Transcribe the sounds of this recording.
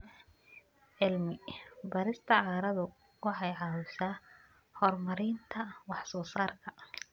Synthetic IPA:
ʕɪlmɪbɐɾɪst̪ʰɐʕɑːɾɐðʊ | wɑħɑjʕɑwʊsaː | hɔrmɐɾɪːnt̪ʰɐwɑħsɔːsaːrkʰɐ

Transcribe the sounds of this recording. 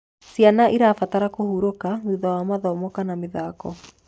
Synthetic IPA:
sjanaʔiɾafataɾakohuɾokanuðawamaðɔmɔkanamɪðaːkɔ

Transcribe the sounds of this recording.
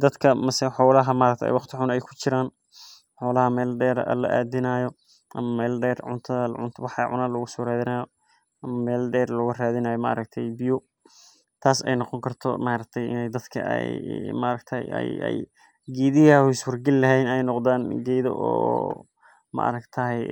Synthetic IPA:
d̪ɐd̪kʰɐmɐsɛħɔːlɐɦɐmaɾɐk̚t̪ʰɛɛ̰jwɑχt̪ʰɪħʊnɛjkʰʊ̥t͡ʃɪɾaːn | ħɔːlɐɦɐmɛːlɖɛːɾɐ̰lɐ̰ʔa̰ːd̪ɪnɐjɔ | ʔɐ̰mɐmɛːlɖɛːrʕʊ̰nt̪ʰɐðɐʕʊ̰nt̪ʰwɑħɑ̰ʕʊ̰naːlɔɣʊsɔːɾaːðɪnɐjɔ | ʔɐmɐmɛːlɖɛːrlɔɣʊraːðɪnaːjɔmɐʔɐ̰ɾɐkt̪ʰɛjbɪjʊ | t̪ʰaːsɛ̰jnɔqɔŋkʰɐrt̪ʰɔ̰maɾɐkt̪ʰɛjɪ̰nɛjd̪ɐd̪kʰɐ̰ʔɛ̰jmɐɾɐkt̪ʰɐjɛ̰jɛ̰j | ɡɛːðɪɣɐhɪswɐrɡɐlɪlɐɦɛjnɛjnɔqðaːnɡɛjðɔ̰ʔɔ̰ː | mɐ̰ʔɐ̰ɾɐkt̪ʰɐɦɛj

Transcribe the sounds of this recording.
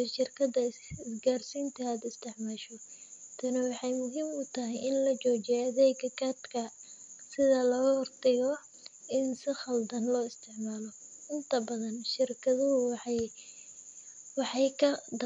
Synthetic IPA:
ʃɪrkʰɐd̪ɐ | ɪsɡaːrsiːnt̪ʰɐaːd̪ɪst̪ʰɪʕmaːʃɔt̪ʰɐnɔwɑħɑjmʊɦiːmʊt̪ʰɐɦɪjʔɪnlɐt͡ʃɔːt͡ʃɪjɐðɛjkɐkʰɐt̪kʰɐsɪðɐlɐɣhɔrt̪ʰɛɣɔ | ʔɪnsɪχɐld̪ɐnlɔːɪst̪ʰɪʕmaːlɔ | ʔɪnt̪ʰɐbɐðɐnʃɪrkʰɐðʊɦʊwħj | wɑħɑjkʰɐd̪

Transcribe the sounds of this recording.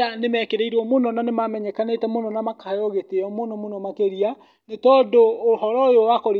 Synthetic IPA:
anemɛkeɾeiɾwɔmonɔnanemamɛɲɛkanetɛmonɔnamakʰajɔɣeteɔmonɔmonɔmakeɾia | netɔdoːhɔɾɔojowakɔɾi

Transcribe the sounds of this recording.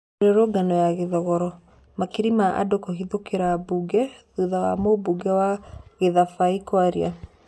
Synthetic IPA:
ɾeɾoɡanɔjaɣeðɔɣɔɾɔ | makiɾimaʔa̰dokɔɦiðokeɾabuɡɛðuðawa̰mobuɡɛwaɣeðafaikwaɾia̰

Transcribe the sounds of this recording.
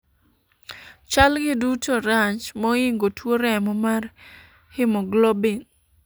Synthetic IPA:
t͡ʃalɡɪdutʰoɾat͡ʃmɔɪŋɡotʰwoɾɛmɔmar | hɪmɔɡlɔbɪn

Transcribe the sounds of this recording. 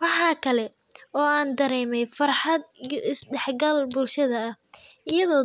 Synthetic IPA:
wɑħɑːkʰɐlɛ | ɔːaːnd̪ɐɾɛːmɛjfɑrħɑd̪̚ɪsɖɛħɡɐlbʊlʃɐðɐɐ | ɪjɐðɔː

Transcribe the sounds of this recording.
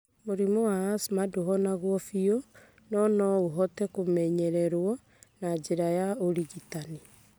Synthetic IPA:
moɾimoaasmadoɦɔnaɣwɔfiɔ | nɔnɔoɦɔtɛkomɛɲɛɾɛɾwɔ | nad͡ʒeɾajaoɾiɣitani

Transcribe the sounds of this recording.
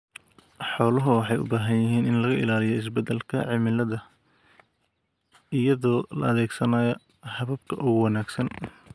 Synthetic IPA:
ħɔːlɐɦʊwɑħɑjʊ̰baːɦɐnjɪɦiːnɪnlɐɣɐʔɪ̰laːlɪjɔɪs̬bɛd̪ɛlkʰɐʕɪmɪlɐðɐ | ɪjɐðɔːlɐ̰ɐðɛːɡsɐnaːjɔ | hɐβɐb̚kʰɐʔɔɣwɑnaːɡsɐn

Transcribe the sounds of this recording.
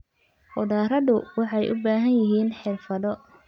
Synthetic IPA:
hɔðaːɾɐðʊwɑħɑjʔʊ̰baːɦɐnjɪɦiːnħɪrfɐðɔ

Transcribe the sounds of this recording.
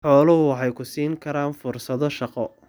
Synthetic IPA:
ħɔːlɐɦʊwɑħɑjkʰʊsiːŋkʰɐɾaːnfʊrsɐðɔʃɑqɔ

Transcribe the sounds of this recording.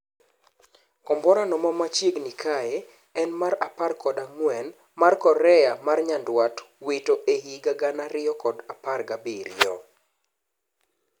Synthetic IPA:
kɔmbɔɾanɔmɔmat͡ʃjeɡnikʰajɛ | ɛnmaɾaparkɔdaŋwɛn | markɔɾɛjamarɲandwatwitoʔeɡiɡaɡanaɾɪɔkɔdaparɡabiɾɪ̰jɔ̰

